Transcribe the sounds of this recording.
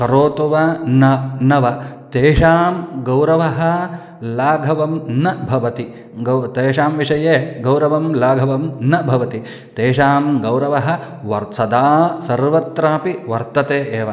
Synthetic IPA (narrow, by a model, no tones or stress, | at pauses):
kɐɾoːt̪uʋɐnɐnɐʋɐt̪eːʃaːmɡɐwɾɐʋɐɦɐ̆ | laːɡʱɐʋɐmnɐbʱɐʋɐt̪i | ɡɐt̪eːʃaːmʋiʂɐjeːɡɐwɾɐʋɐmlaːɡʱɐʋɐmnɐbʱɐʋɐt̪i | t̪eːʃaːmɡɐwɾɐʋɐɦɐ̆ | ʋɐɾt̪sɐd̪aːsɐɾʋɐt̪ɾaːpiʋɐɾt̪ɐt̪eːʔeːʋɐ